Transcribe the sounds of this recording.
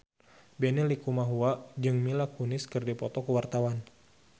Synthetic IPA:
benilikumaɦuad͡ʒɨŋmilakunɪskɨrdipɔt̪ɔkuwart̪awan

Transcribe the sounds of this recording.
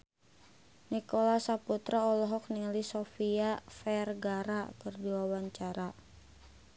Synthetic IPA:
nikɔlasaput̪ɾaɔlɔɦɔk̚niŋəlisɔfiafɛrɡaɾakɨrdiwawaɲt͡ʃaɾa

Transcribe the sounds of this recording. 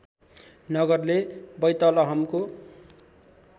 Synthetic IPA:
nʌɡʌrlebʌjt̪ʌlʌɦʌmko

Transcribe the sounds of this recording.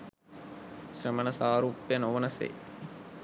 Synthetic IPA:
ɕɾəmənɐsaːɾuːpjənoʋənɐsḛj

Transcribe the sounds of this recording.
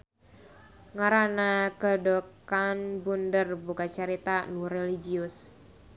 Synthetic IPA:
ŋaɾanakədokanbundərbukat͡ʃəɾit̪anureliɡiʊs

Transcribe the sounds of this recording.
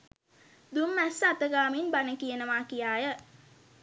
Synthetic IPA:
d̪umːæsat̪əɡaːminbanəkijənəʋaːkijaːjə

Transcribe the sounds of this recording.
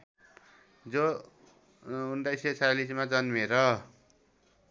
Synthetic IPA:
d͡zo | unʈajsʌt͡salismad͡zʌnmeɾʌ

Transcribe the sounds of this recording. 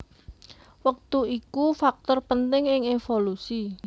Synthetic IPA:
wək̚t̪uikufak̚t̪ɔrpənt̪ɪŋɪŋefolusi

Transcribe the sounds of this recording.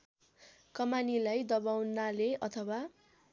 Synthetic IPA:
kʌmanilajd̪ʌbawnaleʌt̪ʰʌwa

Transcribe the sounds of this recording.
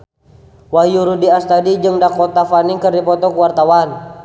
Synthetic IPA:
wajuɾudiast̪adid͡ʒɨŋdakɔt̪afaniŋkərdipɔt̪ɔkuwart̪awan

